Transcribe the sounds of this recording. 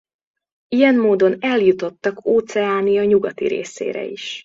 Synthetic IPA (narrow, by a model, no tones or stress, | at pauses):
ijɛmmoːd̪o̞nɛljut̪o̞t̪ːɒkoːt̪sɛaːnijɒɲuɡɒt̪ḭɾḛːsḛːɾɛ̰ḭʃ